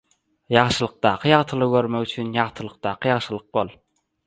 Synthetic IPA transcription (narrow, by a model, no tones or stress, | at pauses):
jɑʁʃɯlˠɯq̚d̪ɑːqʰɯjɑʁt̪ʰɯlˠɯɡø̞ɾmekyt͡ʃʰynjɑʁt̪ʰɯlˠɯq̚d̪ɑːqʰɯjɑʁʃɯlˠɯq̚bo̞lˠ